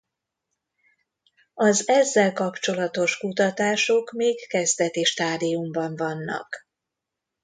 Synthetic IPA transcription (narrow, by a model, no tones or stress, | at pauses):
ɒzɛzːɛlkɒpt͡ʃo̞lɒt̪o̞ʃkut̪ɒt̪aːʃo̞kmeːkːɛzd̪ɛt̪eːʃt̪aːd̪ijumbɒɱvɒnːɒ̰k